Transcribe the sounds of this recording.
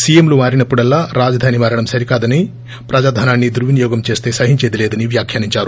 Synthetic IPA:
sijemlumaːɾinɐpːuɽɐlːaːɾaːd͡ʒɐd̪ʱaːnimaːɾɐɽɐmsɐɾikaːd̪ɐni | pɾɐd͡ʒaːd̪ʱaːnaːnːid̪uɾʋinijɔːɡɐmt͡ʃe̞ːst̪e̞ːsɐɦiɲt͡ʃeːd̪ileːd̪ɐniʋjaːkʰjaːniɲt͡ʃaːɾu

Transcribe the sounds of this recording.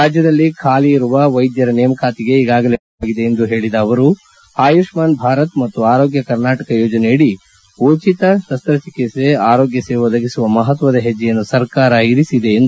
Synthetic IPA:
ɾaːd͡ʒjɐd̪ɐlːikʰaːliːɾuʋɐʋɐjd̪jɐɾɐneːmɐkaːt̪iɡe̞iɡaːɡɐle | ɡid̪e̞ːnd̪uɦe̞ːɭid̪ɐːʋɐɾu | aːjuʂmaːnbʱaːɾɐt̪mɐt̪ːuaːɾo̞ːɡjɐkɐɾnaːʈɐkɐjoːd͡ʒɐneiɽi | ut͡ʃit̪ɐʃɐst̪ɾɐt͡ʃikiseaːɾoːɡjɐseːʋɐd̪ɐɡisuʋɐmɐɦɐt̪ʋɐd̪ɐɦed͡ʒːɛjɐnːusɐɾkaːɾɐiɾisid̪e̞ːnd̪u

